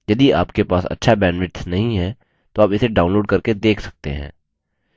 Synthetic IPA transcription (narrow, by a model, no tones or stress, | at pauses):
jɐd̪iaːpkepaːsɐ̰tːʃʰabɛːnʋɪʈsnɐɦĩɦɛ̃ | t̪oaːpɪseɖaːʊnloːɖ̚kɐɾked̪eːkʰsɐ̥k̚t̪ḛɦɛ̰̃ː